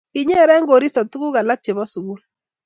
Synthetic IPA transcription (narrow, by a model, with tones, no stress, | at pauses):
i˨ɲɛ˦ɾɛ˦ŋɡo˨ɾi˦sɔ˨tu˦ɡu˦ka˨la˦k̚t͡ʃe˨bɔ˦su˨ɡu˦l